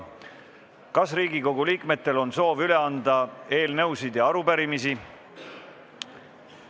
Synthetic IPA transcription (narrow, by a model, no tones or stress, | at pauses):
kɑsriːɡiko̞ɡ̥uliːkme̞t̪ːe̞lo̞nso̞ːvyle̞ɑnd̪ɑe̞ːlnɤwsid̪̥jɑɑɾupæɾimisi